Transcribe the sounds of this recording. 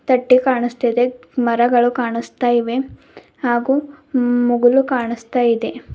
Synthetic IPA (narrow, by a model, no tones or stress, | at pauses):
t̪ɐʈːikaːɳist̪id̪e | mɐɾɐɡɐɭukaːɳist̪aːjiʋe̞ | haːɡuː | muɡulukaːɳist̪aːjid̪e̞